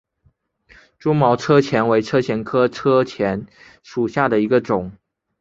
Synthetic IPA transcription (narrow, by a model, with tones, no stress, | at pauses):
ʈ͡ʂu˥mɑ˧˥ʊʈ͡ʂʰɤ˥t͡ɕʰjɛ˧˥nwe˧˥ɪʈ͡ʂʰɤ˥t͡ɕʰjɛ˧˥nkʰɤ˥ʈ͡ʂʰɤ˥t͡ɕʰjɛ˧˥n | ʂu˨˩ɕja˥˩d̪ə˩i˧˥ɡə˧ʈ͡ʂʊ˨˩˦ŋ